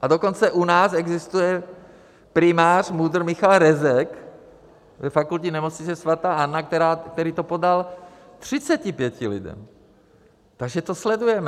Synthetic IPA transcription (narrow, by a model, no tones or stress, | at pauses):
ʔadoko̞nt͡sɛʔunaːsɛɡzɪst̪ujɛ | pɾɪmaːr̥mud̪r̩mɪxalɾɛzɛk | vɛfakulcɪnɛmot͡sɲɪt͡sɛsvat̪aːʔanːakt̪ɛɾaːk̚t̪ɛɾiːt̪opodalt̪r̝̥ɪt͡sɛcɪpjɛcɪlɪ̰dɛ̰m | t̪aɡʒɛt̪oslɛdujɛmɛ